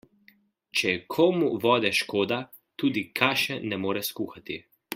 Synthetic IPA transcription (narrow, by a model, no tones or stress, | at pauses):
t͡ʃɛkʰoːmuʋɔːd̪ɛʃkoːd̪a | t̪uːd̪ikʰaːʃɛnɛmoːɾɛskuːxat̪i